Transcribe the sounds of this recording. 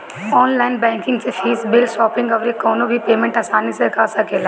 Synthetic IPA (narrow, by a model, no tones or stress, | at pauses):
ɔːnlaːɪnbɛ̃ːŋkɪ̃ŋɡsefʰiːsbɪlʃɔːpɪ̃ŋɡɔʋɾekːɔːnobʱipeːmẽɳʈaːsaːnisekaːsakʰeːlaː